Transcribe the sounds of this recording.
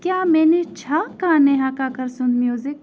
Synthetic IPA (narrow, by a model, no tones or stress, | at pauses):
kjaːmɛ̃ːnet͡ʃʰaːkaːnɛɦaːkaːkəɾsʊnmjuːzɪk